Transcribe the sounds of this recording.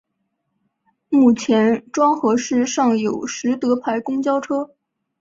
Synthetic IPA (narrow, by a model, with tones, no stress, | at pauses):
mu˥˩t͡ɕʰjɛ˧˥nʈ͡ʂwɑ˥ŋxɤ˧˥ʂɻ̩˥˧ʂɑ˥˩ŋjo˨˩ʊʂɻ̩˧˥t̪ɤ˧˥pʰa˧˥ɪkʊ˥ŋt͡ɕjɑ˥ʊʈ͡ʂʰɤ˥